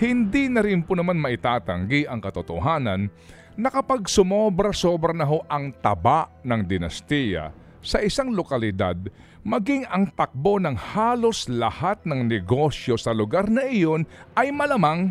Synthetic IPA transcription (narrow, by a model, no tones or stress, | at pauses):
hɪnd̪inɐɾɪnponɐmanmɐʔɪt̪aːt̪ɐŋɡiʔɐŋkɐt̪ʊt̪oɦaːnɐnː | ɐkɐpaɡ̚sʊmobɾɐso̞bɾɐnɐɦo̞ʔɐŋt̪ɐbaʔnɐŋd̪ɪnɐst̪ijɐ̰ | sɐʔɪsaŋlokɐlɪd̪a̰d̪̚ | mɐɡɪŋɐŋt̪ɐk̚bo̞nɐŋhaːlo̞slɐhat̪̚nɐŋnɛɡo̞sjo̞sɐlʊɡaɾnɐʔɪjo̞nʔɐjmɐlɐmaŋ